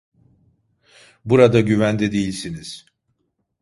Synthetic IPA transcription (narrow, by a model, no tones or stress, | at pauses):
buɾad̪aɟyvænd̪ɛd̪ejilʲsiniz̥